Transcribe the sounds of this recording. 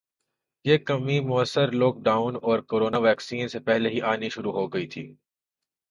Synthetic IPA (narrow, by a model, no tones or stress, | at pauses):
jeːkɐmimʊəsːəɾlɔːk̚ɖaːʊnɔːɾkoːɾoːnaʋɛːksiːnsepɛɦleɦiʔaːniʃʊɾuɦoɡɐit̪ʰḭː